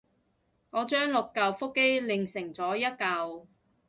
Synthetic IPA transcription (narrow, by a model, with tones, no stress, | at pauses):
ŋɔː˨˧t͡ʃœː˥ŋlʊ˨kːɐ˨˧wfʊ˥kːe˥jlɪ˨ŋsɪ˨˩ŋt͡sɔː˨˥jɐ˥t̚kɐ˨˧w